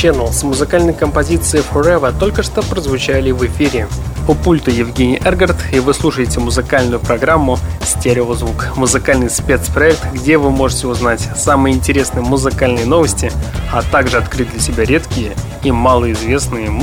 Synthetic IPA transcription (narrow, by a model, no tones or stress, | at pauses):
t͡ɕɛnəlˠsmʊzɨkalʲnəjkəmpɐzʲit̪sɨɪfoɾɛvət̪o̞lʲkəʂt̪opɾəzvʊt͡ɕælʲɪvɨfʲiɾʲɪpəpulʲt̪ʊjɪvɡʲenʲɪjʔɛrɡərt̪ivɨslˠuʂəjɪtʲɪmʊzɨkalʲnʊjʊpɾɐɡɾamːʊsʲtʲeɾʲɪlˠzvukmʊzɨkalʲnɨjspʲe̞t̪spɾɐɛk̚t̪ɡdʲe̞vɨmo̞ʐɨtʲɪʊznatʲsamɨjəɪnʲtʲɪɾʲesnɨjəmʊzɨkalʲnɨjəno̞vəsʲtʲɪat̪aɡʐɨɐt̪kɾɨt̚ʲd̪lʲəsʲɪbʲaɾʲe̞t̪kʲɪjə | imalˠəɪzvʲe̞snɨjə